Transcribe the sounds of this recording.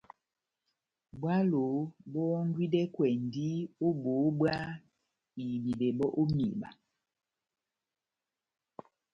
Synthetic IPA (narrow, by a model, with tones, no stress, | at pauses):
bwa˦lo˨bɔ˦ŋ˦ɡwi˦dɛ˦kwɛ˨n˨di˦o˦bo˨˦bwa˦ | i˨bi˨be˨bɔ˦ʔo˦mḭ˨ba̰˨